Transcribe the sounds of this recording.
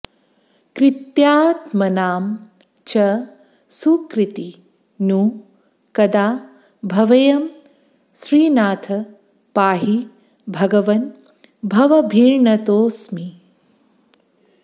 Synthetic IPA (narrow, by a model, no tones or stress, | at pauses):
kɾɪt̪jaːt̪mɐnaːm | t͡ʃɐ | sukɾɪt̪i | nuː | kɐd̪aː | bʱɐʋɐjɐm | sɾiːnaːt̪ʰɐ | paːɦi | bʱɐɡɐʋɐn | bʱɐʋɐbʱiːɾɳɐt̪oːsmi